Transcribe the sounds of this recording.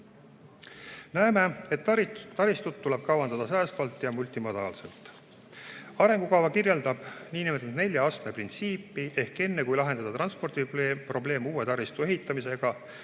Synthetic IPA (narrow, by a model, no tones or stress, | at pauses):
næeme̞et̪ːɑɾist̪ut̪̚t̪ːule̞b̥̚kɑwɑnd̪̥ɑd̪ɑs̬æːst̪vɑlt̪ːˑjɑmulʲt̪ˑimɑd̪ɑːlse̞̰lt̪ːˑ | ɑɾe̞ŋɡ̥ukɑwvɑkirjeld̪ɑb̥niːnimet̪ud̪ne̞lʲjɑɑst̪meprint̪siːpːˑiʔe̞hke̞nːekujlɑɦe̞nɑd̪ɑt̪rɑnspo̞rd̪̥ipro̞ble̞ːmuːe̞t̪ɑɾist̪ue̞ɦit̪ːˑɑmise̞ɡ̥ɑ